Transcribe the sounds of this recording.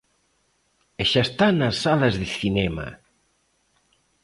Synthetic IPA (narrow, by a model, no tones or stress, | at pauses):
eʃast̪anasːalazðeθinɛma̰